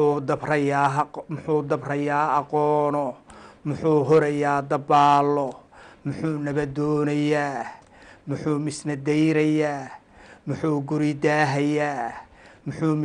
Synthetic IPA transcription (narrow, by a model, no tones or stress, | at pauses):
ud̪ɐbrɐjaːmʊħuːd̪ɐbrɐjaːɑqɔːnɔmʊħuːɦɔɾɐjaːd̪ɐbaːlːɔmʊħuːnɐβɐd̪ɔːnɐjaː | mʊħuːmɪsnɐd̪ɛjɾɐjaː | mʊħuːɡʊɾɪd̪aːɦɐjaːmʊħuːm